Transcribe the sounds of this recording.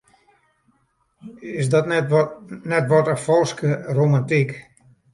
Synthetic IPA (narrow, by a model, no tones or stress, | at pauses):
ɪsdɔt | nɛtʋɔtəfɔlˠskəromantik